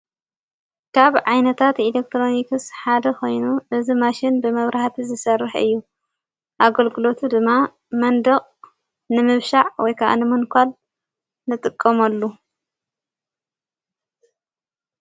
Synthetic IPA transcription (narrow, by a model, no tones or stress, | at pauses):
kʰaβʕajnɐt̪ʰat̪ilek̚t̪ɾo̞nikɨsħad̪ɐxo̞jnuʔɨzimaʃɪnbɨmɐβɾʔaht̪ʰizɨsɐrːɨħɨ̰jːu | ʔaɡɐlɡɨlo̞t̪ʰud̪ɨmːa | mɐnd̪ɐχʼ | nɨmɨβʃaʕwɔjkʰɐʔa̰nɨmɨnkʰʷal | nɨt̪ʼɨkʼːɐmɐlːu